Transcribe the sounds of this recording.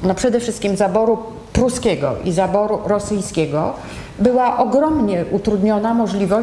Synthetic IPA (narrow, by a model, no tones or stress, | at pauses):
nɔpʂɛd̪ɛfʂɘst̪kʲimzabɔɾu | pɾuskʲɛɡɔ̰ʔizabɔɾuɾɔsɘjskʲɛɡɔ | bɘwaʔɔɡɾɔmɲɛʔut̪ɾud̪ɲɔnamɔʐlʲivɔ